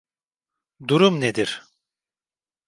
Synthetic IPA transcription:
d̪uɾumned̪iɾ̥

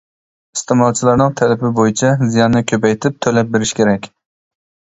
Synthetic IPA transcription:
ist̪ʰɪmɑlˠt͡ʃʰilˠɑɾnɪŋt̪ʰælɪpɪbojit͡ʃʰɛzijɑnːɨkʲʰøpɛjt̪ʰɪp̚t̪ʰølɛp̚beɾɪʃkʲʰeɾɛkʲ

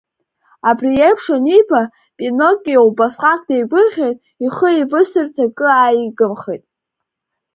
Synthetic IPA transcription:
abrijejpʰʂanibʰa | pʼinokʼʲːiaubasqʼak̚ʰʼdejɡʷʊrχʲejtʼ | iχəivɨsɨrt͡sʰakʼɨajiɡɨmχejtʼ

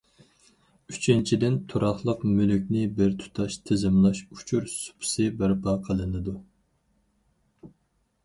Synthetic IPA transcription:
yt͡ʃʰint͡ʃʰid̪ɪnt̪ʰuɾɑχlˠəqmylykʲnɪbɪɾt̪ʰu̥t̪ʰɑʃt̪ʰɪzɪmlˠɑʃu̥t͡ʃʰuɾsu̥pʰʊ̥sɨbɪɾpʰɑqʰəlˠɨnɨd̪u

